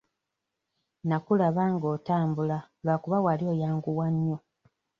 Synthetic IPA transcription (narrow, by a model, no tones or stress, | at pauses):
nakulaβaŋɡo̞ːtaːmbula | lwakuβawalio̞jaːŋɡuwaɲːo